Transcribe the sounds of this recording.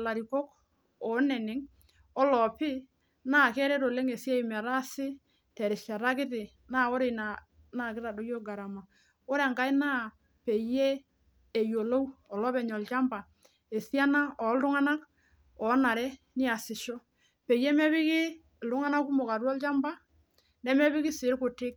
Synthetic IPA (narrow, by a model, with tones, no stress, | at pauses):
la˨ɾi˨kɔ˦k | ɔ˨˦nɛ˨nɛ˦ŋ | ɔ˦lɔ˨pɪ˦ | naː˦˨kɛ˦ɾɛ˦ɾo˨le˦ŋe˨sja˦i˨mɛ˨ɾa˦sɪ˦ | tɛ˨ɾɪ˨ʃa˨ɾa˦kɪ˦t̬ɪ˨ | na˦˨o˦ɾe˨na˨ | na˦˨kɪ˦ɾa˨do˨˦jo˦ɡa˨ɾa˨ma˨ | o˦ɾɛ˨ŋka˦ɪ˦na˦ | pe˨je˦ | e˨jo˨lo˦u˦ɔ˨lɔ˦pɛ˨ɲɔ˨lt͡ʃa˦mba˨ | e˨sja˦na˦ɔ˨˦ldʊ˦ŋa˦na˦k | ɔ˨˦na˨ɾɛ˦ | nɪ˦a˨sɪ˨ʃo˦ | pe˨je˦mɛ˦βɪ˦kɪ˦˨ | ldʊ˦ŋa˦na˦ku˦mo˨ka˨ɾɔ˦lt͡ʃa˦mba˦ | nɛ˦mɛ˦βɪ˦kɪ˦sɪ˨˦ɾkʊ˨tɪ˦k̚